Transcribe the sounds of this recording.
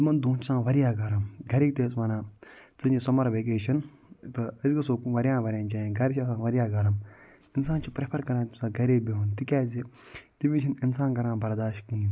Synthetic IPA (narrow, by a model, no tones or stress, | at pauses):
t̪mɐnd̪uːt͡ʃsãːʋɐɾijaːɡɐɾɐmɡɐɾiːk̚t̪eːsʋɐnãːt͡sɨnisɐmɐɾʋeːk̬eːʃɐn | t̪ɨɐsɡɐsoːʋɐɾʲjãːnʋɐɾʲjãːnt͡ʃaːĩɡɐɾʃʰɐsãːʋɐɾijaːɡɐɾɐm | ɪnsaːnt͡ʃʰipɾepʰɐɾkɐɾãːt̪isãɡɐɾeːbiɦunt̪ikʲaːzi | t̪iʋit͡ʃʰininsaːnɡɐɾãːnbɐɾd̪aːʃtkĩː